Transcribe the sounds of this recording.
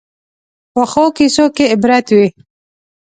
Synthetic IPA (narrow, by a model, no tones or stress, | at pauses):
pəxokisokeɪbɾat̪wi